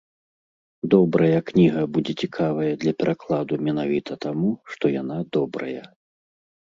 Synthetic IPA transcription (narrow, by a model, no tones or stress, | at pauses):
d̪ɔbɾɐjɐknʲiɣɐbud͡zʲɛt͡sʲikʰavɐjɐd̪lʲɐpʲɛɾʔaklˠad̪umʲɛnavʲit̪ɐt̪amuʂt̪ɔjanad̪ɔbɾɐ̰jɐ